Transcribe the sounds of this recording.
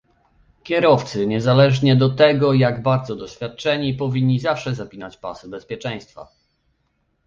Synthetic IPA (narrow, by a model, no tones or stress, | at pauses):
kʲjɛɾɔft̪sɘɲɛzalɛʐɲɛd̪ɔt̪ɛɡɔjaɡbaɾd̪zɔd̪ɔɕfʲjat̪̚t͡ʂɛɲipɔvʲiɲːizafʂɛzapʲinat͡ɕpa̰sɨbɛspʲjɛt͡ʂɛ̃j̃st̪fa̰